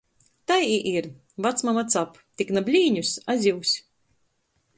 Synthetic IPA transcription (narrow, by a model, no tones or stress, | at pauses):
t̪ajiʔiɾ | vat̪smamat̪sap | t̪ʲiknabʲlʲiːɲusazʲiwsʲ